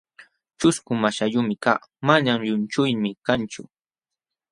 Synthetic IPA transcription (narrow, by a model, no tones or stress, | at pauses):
t͡ʃʊskʊmaʃaʎʊmɪka̰ː | manamʎʊnt͡ʃʊjmɪkant͡ʃʊ̰